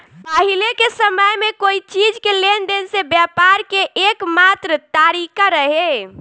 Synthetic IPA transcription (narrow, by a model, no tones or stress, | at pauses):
paɦilekesəməjmekoit͡ʃid͡ʒkelend̪ensebjapaɾkeʔekmat̪ɾət̪aɾikaɾəɦe